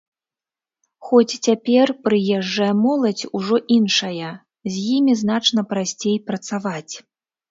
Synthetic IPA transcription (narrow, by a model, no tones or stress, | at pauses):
xɔt͡sʲt͡sʲapʲɛrpɾɨjɛʐːɐjɐmɔlˠɐt͡sʲuʐɔʔinʂɐjɐ | zʲjimʲizn̪at͡ʂnɐpɾasʲt͡sʲejpɾɐt̪savat͡sʲ